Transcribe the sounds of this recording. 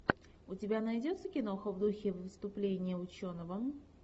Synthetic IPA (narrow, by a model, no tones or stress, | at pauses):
ʊtʲɪbʲanɐjdʲot̪səkʲɪnoxəvd̪uxʲɪvvɨst̪ʊplʲenʲɪjəʊt͡ɕo̞nəvə